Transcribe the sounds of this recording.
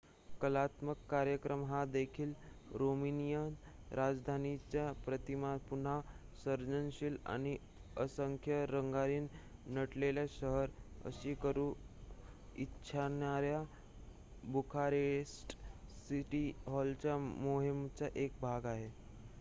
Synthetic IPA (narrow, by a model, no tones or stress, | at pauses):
kəlat̪məkːaɾjəkɾəmɦad̪ekʰiːlɾominijənɾad͡zd̪ʱanit͡ɕjapɾət̪imapun̤a | səɾd͡ʑənɕila̰ñi | əsəŋkʰjəɾəŋɡaɾiːnnəʈleljaɕəɦəɾə̰ɕikəɾuː | itːɕʰanaɾja | bukʰaɾesʈsiʈiɦɔlt͡ɕjamoɦimt͡ɕaʔek̚bʱaɡaɦe